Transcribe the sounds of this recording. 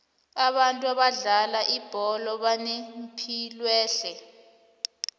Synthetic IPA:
aɓantʼuaɓaɮalaʔib̥ʱɔlɔɓanempʰilwɛːɬɛ

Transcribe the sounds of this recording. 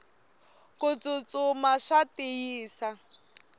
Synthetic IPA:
kʼʊt͡sʼʊt͡sʼʊmaʂatɪiːsa

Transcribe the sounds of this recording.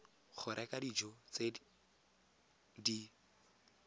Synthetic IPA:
χʰʊɾʔɛkʼadid͡ʒɔt͡se | di

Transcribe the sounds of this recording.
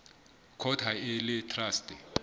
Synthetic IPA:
kʰɔtʰaɛlɛtʰraːstʼɛ

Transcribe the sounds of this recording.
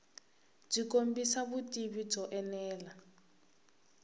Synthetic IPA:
b͡ʐikombisaβutʼiβid͡zɔʔɛnɛːla

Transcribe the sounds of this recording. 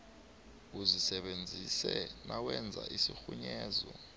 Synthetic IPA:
uzisɛɓend͡zʱisɛnʔawɛnd͡zʱaʔisixuɲɛːzɔ

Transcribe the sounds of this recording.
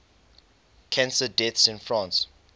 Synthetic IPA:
kʰæ̃nsədɛtsɪ̃nfɹãns

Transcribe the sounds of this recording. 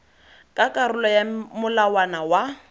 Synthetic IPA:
kʼakʼaɾʊlɔjamʊlawanawa

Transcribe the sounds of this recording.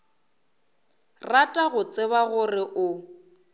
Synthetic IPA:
ratʼaɣʊt͡sʼɪβaɣʊrɪʔʊ

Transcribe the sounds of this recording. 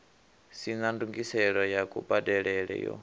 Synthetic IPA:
sinanduŋɡisɛɺɔjakʼubadɛɺɛɺɛ̰jɔ̰

